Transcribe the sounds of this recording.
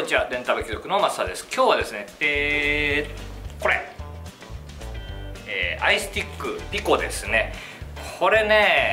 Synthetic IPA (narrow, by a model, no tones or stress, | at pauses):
d͡ʑad̪ẽ̞nt̪abɯ̟kʲizokɯ̟no̞masːad̪e̞sɨ̥kʲo̞ːβad̪e̞sɨne̞e | ko̞ɾe̞̰ | eːʔaisɨ̥t̪ʲikːɯ̟bʲiko̞d̪e̞̰sɨne̞ | kʰo̞ɾe̞ne̞ː